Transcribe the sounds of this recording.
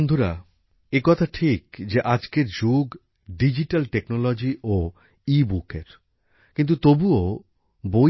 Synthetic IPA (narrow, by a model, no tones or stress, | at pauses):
nd̪ʱuɾa | ekɔt̪ʰaʈʰikd͡ʑeʔad͡ʑkeɾd͡ʑuɡ | ɖid͡ʑiʈalʈeknolod͡ʑiʔo | ibukeɾ | kint̪̬ut̪obuo | bo